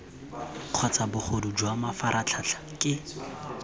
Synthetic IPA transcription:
q͡χʰɔt͡sabʊχʰodud͡ʒwamafaɾʔat͡ɬʰat͡ɬʰḁkʼɪ

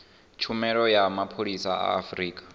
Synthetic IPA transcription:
t͡ʃʰumɛɺɔjamapʰoɺisaa̰ːfɾiːkʼḁ

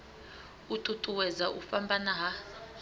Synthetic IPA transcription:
utʼutʼuwɛzaʔufambʱanaɦa

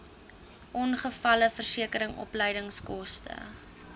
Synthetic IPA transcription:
ʔɔnχəfɐləfərsiəkəɾəŋʔɔ̰pləjdəŋskɔstə̰

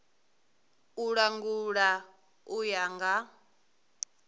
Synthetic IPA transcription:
uɺaŋɡuɺa | ujaŋɡa

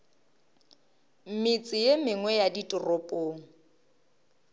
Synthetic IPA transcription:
m̩mit͡sʼɪjemɪŋwɛjaditʼʊrɔpʼoːŋ̩

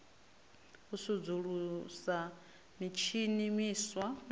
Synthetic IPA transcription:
usud͡zuɺusa | mit͡ʃʰinimiswan

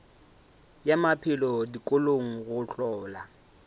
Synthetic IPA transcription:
jamapʰɪlɔdikʼoloŋ̩ɣʊɬɔːla

